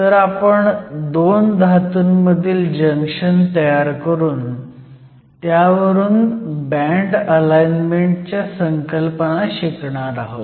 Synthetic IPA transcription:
t̪əɾapəɳd̪ond̪ʱat̪uːnməd̪ʱiːld͡ʑəŋkʂənt̪əjaɾkəɾuːn | t̪jaʋəɾuːnbɛ̃ɳʈəlajnmeɳʈt͡ɕjasəŋkəlpənaɕikɳaɾaɦot̪

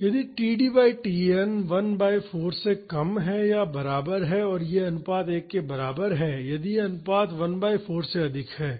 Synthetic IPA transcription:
jɐd̪iʈiːɖiːbaːiʈiːɛnʋɐnbaːifoːɾsekɐmɦɛjabɐɾaːbəɾɦɛɔːɾjeɐnʊpaːd̪eːkːebɐɾaːbəɾɦɛjɐd̪iɐnʊpaːd̪ʋɐnbaːifoːɾseɐd̪ʱɪkɦɛː

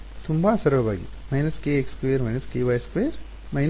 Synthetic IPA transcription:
t̪ʰumbaːsɐɾʋɐbʱa̰ːɡḭmɐinɐskeekskʋeːɾmɐjnɐskeːʋaːeskʋeːɾ | mɐin

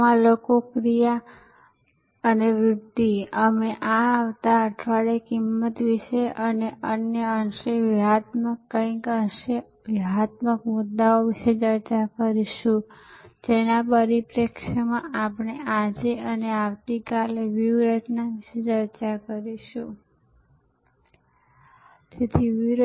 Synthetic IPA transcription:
ãlokokɾija | əneʋɾʊd̪ːiəmeʔaːʋt̪aəʈʰʋaɽekimːət̪ʋiʃeʔəneənjəəɳʃeʋiɦat̪məkːəĩkənʃe | ʋiɦat̪̚məkmʊd̪ːaoʋiʃet͡ʃəɾt͡ʃakəɾiʃũd͡ʒenapəɾipɾekʃəmãʔapɳead͡ʒeəneaʋt̪ikaleʋiʋɾəd͡ʒnaʋiʃet͡ʃəɾt͡ʃakəɾiʃũ | t̪et̪ʰiʋiɾ

